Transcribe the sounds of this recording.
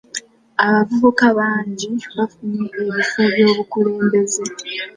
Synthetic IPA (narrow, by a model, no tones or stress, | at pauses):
aβavuβukaβaːɲɟiβafunieβifoβjo̞ːβukule̞ːmbe̞ze